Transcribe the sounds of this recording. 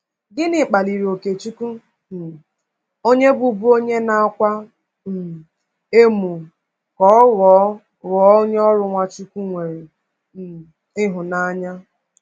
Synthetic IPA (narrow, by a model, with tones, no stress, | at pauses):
ɡɪ˦nɪ˨k͡pa˨li˨ɾi˨o˨ke˨t͡ʃu˦ku˦˨ | o˦ɲe˦bu˨bu˦o˦ɲe˦na˨a˦kʷa˦ | m̩˨ | e˦mu˨ | kɔ˦ɔ˦ɣɔ˨˦ | ɣɔ˨˦o˦ɲ˦ɔ˦ɾʊ˨ŋʷa˦t͡ʃu˦ku˦ŋʷe˨ɾi˨ | ɪ˦ɦʊ˨na˦a˨ɲa˦